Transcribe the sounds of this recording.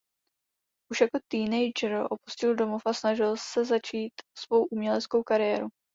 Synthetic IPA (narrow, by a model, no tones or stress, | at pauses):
ʔuʃjako̞t̪iːnɛjd͡ʒɾʔo̞pu̥scɪldo̞mofasnaʒɪlsɛzat͡ʃiːt̪svo̞wʔumɲɛlɛt͡sko̞wkaɾɪjɛːɾu